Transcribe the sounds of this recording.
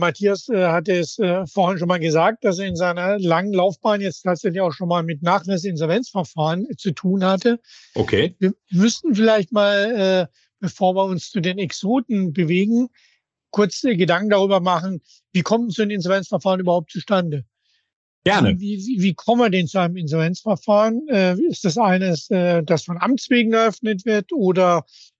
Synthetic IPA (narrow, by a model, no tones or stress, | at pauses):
matʰiːasɛːhat̬əɛsɛːfoːɐhɪnʃ̬oːnmaːlɡəzaːk̚t̚d̥as̬eːɐɪnzaɪnɐlaŋənlaʊfb̥aːnjɛt͡stʰaːtz̥ɛçlɪçaʊxʃoːnmaːlmɪtnaːχlɛs̬əɪnzɔlvɛnt͡sfɛɐfaːʁənt͡sutʰuːnhatəʔo̰kʰeːviːɐmʏstn̩fɪlaɪçtmaːlɛː | b̥əfoːɐviːɐʊnst͡sudeːnɛksoːtn̩bəveːɡŋ̩ | kʰʊɐt͡sɡədaŋkŋ̩daʁ̞yːbɐmaχn̩ | viːkʰɔmət͡suanmɪnzɔlvɛnt͡sfɐfaːʁnyːbɐhaʊp̚t͡suʃtandə | ɡ̥ɛɐnə̰viːviːviːkʰɔməiɐdɛnt͡suaɪnəmɪnzɔlvɛnt͡sfɛɐfaːʁənɛːɪstd̥as̬ʔaɪnəsɛːd̥asfɔnʔa̰mt͡sv̥eːɡŋ̩ɛɐʔœfnətv̥ɪɐtʔoːdɐ